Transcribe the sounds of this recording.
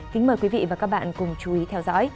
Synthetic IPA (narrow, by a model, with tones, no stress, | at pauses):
kï˨˦ŋ̟məː˨˩kwi˨˦vḭ˧˨vaː˨˩kaː˦˥k̚ɓa̰ː˧˨nkʊ˨˩ŋ͡mt͡ɕu˨˦i˨˦t̪ʰɛ˧wzɔ̰˧˥j